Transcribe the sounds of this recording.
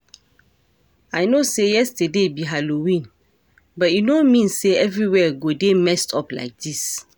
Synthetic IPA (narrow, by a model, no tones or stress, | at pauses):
aɪnosejɛstədebiɦalowĩn | bɔtinomĩnseɛvɹiwɛɡodemɛstʰɔpla̰ɪk̚dis